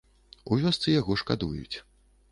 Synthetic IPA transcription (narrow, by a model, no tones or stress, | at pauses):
uvʲɔst̪sɨjaɣɔʂka̰d̪ujṵt͡sʲ